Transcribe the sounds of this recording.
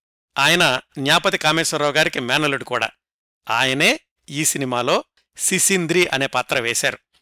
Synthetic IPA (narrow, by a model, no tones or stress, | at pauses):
aːjɐnɐnjaːpɐt̪ikaːmeːsɐɾɐːuɡaːɾikimɛːnɐluɖkuːɽa̰ː | aːjɐneː | iːsinimaːlo̞ː | sisind̪ɾiːʔɐne̞ːpaːt̪ɾɐʋɛːsaːɾu